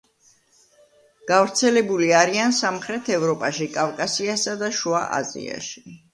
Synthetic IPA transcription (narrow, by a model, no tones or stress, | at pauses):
ɡ̥avɾt̪sʰɛlɛbuliaɾiansamχɾɛt̪ʰɛvɾɔpʼaʃikʼavkʼasiasad̪aʃuaʔa̰zḭa̰ʃi̥